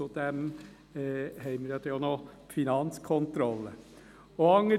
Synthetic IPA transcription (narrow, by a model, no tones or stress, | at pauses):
ud̪̥ɛmː | hɛɪməɾjɑd̪ɛono | finɑnt͡skʰɔnt̪ɾɔlːə | oɑŋə